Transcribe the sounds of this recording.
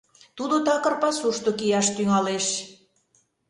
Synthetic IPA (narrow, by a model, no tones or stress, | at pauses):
t̪ud̪ot̪ɑkə̆rpɑsuʃt̪okijɑʃt̪yŋɑleʃ